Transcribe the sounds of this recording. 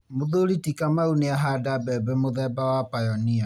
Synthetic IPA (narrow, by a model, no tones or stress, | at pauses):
moðoɾitikamauneaɦadabɛbɛmoðɛbawapajɔnia